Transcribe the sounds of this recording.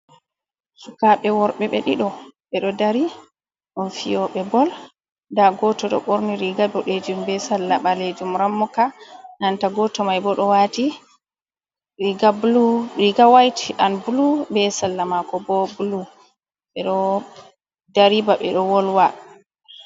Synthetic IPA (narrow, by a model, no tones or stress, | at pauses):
sukaɓɛwɔɾɓɛɓɛ̰ɗiɗɔɓɛɗɔdaɾi | ɗunfijɔɓɛbɔl | daɡɔtɔɗɔ̰ɓɔɾniɾiɡadɔɗed͡ʒumbɛsalːaɓaled͡ʒumɾamːɔkanantaɡɔtɔmajbɔɗɔwati | ɾiɡabuluɾiɡawajtiʔanbulubɛsalːamakɔbɔbulu | ɓɛɗɔ | daɾibaɓɛ̰ɗɔwɔlwa